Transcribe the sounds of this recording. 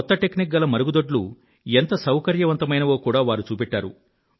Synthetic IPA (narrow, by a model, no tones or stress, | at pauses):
ɔt̪ːɐʈeknik̚ɡɐlɐmɐɾuɡud̪oɖlṵ | ent̪ɐsɐwkɐɾjɐʋɐnt̪ɐmɐjnɐʋo̞ːkuːɽaːʋaːɾut͡ʃuːpɛʈːaːɾṵ